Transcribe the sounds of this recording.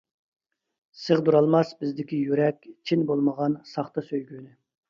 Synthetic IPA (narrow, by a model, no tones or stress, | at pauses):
səʁd̪uɾɑlˠmɑsbɪzd̪ɪkʲijyɾɛkʲt͡ʃʰinbolˠməʁɑnsɑχt̪ɑsøjɡʲyːnɪ